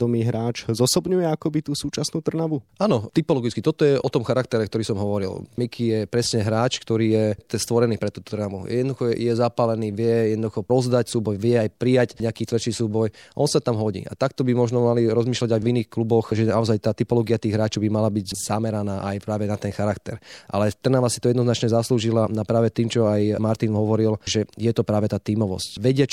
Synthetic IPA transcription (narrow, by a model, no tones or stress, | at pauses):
d̪ɔmiːɦɾaːt͡ʃzɔsɔbɲujɛakɔbit̪uːsuːt͡ʃasnuːt̪r̩naʋuʔaːnɔt̪ipɔlɔɡit͡skit̪ɔt̪ɔjɛʔɔt̪ɔmxaɾakt̪ɛɾɛkt̪ɔɾiːsɔmɦɔʋɔɾḭlmikʰijɛpɾɛsɲɛɦɾaːt͡ʃkt̪ɔɾiːjɛt̪ɛst̪ʋɔɾɛniːpɾɛt̪uːt̪u̥t̪rnaʋujɛd̪nd̪uxɔjɛzapalɛniːʋɪɛjɛd̪nɔd̪uxɔɾɔzd̪acsuːbɔjʋɪɛajpɾijacɲɛakiːt̪ʋrt͡ʃiːsuːbɔjʔɔnsat̪amɦɔɟḭːʔa̰t̪akt̪ɔbimɔʒnɔmaliɾɔzmiːʃlaɟajviniːxklubɔxʒɛnaɔzajt̪aːt̪ipɔlɔːɡiat̪iːɣɦɾaːt͡ʃɔʊbimalabiɟz̥amɛɾanaːʔajpɾaːʋɛnat̪ɛnxaɾakt̪ɛɾʔa̰lɛt̪r̩naʋasit̪ɔjɛd̪nɔznat͡ʃɲɛzasluːʒilaapɾaːʋɛt̪iːmt͡ʃɔajmaɾt̪inɦɔʋɔɾilʒɛjɛt̪ɔpɾaːʋɛt̪aːt̪iːmɔʋɔ̰scʋɛɟɪat͡ʃ